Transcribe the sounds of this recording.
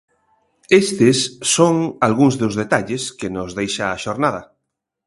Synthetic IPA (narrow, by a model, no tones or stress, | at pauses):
est̪esːoŋalɣuŋzðozðet̪aʎeskenozðejʃaːʃoɾnað̞ɐ